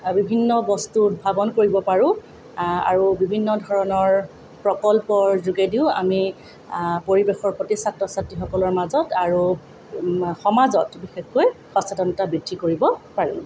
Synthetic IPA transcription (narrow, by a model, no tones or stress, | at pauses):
bibʱinːɔbɔstut̚bʱabɔnkoɹibɔpaɹʊ̃ | a̰ɹubibʱinːɔdʱɔɹɔnɔɹ | pɹɔkɔlpɔɹzuɡediʊ̃a̰mi | poɹibexɔɹpotisatːɔsatːixɔkɔlɔɹmazɔtaɹu | xɔmazɔtbixexːoj | xɔsadɔnɔtabɹidʱːikoɹibɔpaɹḭ